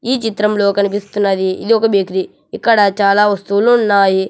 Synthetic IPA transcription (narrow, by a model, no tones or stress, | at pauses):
iːt͡ʃit̪ɾɐmlo̞ːkɐnipist̪unːɐd̪iid̪iɔkɐbekɾi | ikːɐɽɐt͡ʃaːlaːʋɐst̪uluunːaːji